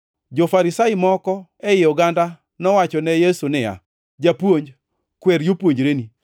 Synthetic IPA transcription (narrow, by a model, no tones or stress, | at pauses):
d͡ʒɔfaɾɪsaɪmɔkɔɛɪɔɡanda | nɔwat͡ʃɔnɛjesunɪja̰ | d͡ʒapwoɲd͡ʒ | kweɾjopwoɲd͡ʒɾeni